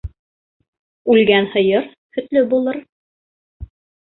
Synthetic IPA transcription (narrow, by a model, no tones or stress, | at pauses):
ʉlɡænhɤ̆jɤɾ | hɵ̆t̪lɵbulˠɤɾ